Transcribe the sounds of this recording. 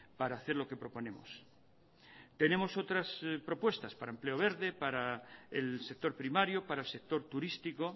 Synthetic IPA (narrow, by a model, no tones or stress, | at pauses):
paɾaːθeɾlo̞ke̞pɾo̞po̞nẽ̞mo̰s | t̪e̞ne̞mo̞so̞t̪ɾaspɾo̞pwe̞st̪aspaɾaemple̞oβ̞e̞ɾðe̞paɾaḛlsek̚t̪o̞ɾpɾimaɾjopaɾaelse̞k̚t̪o̞ɾt̪uɾist̪iko̞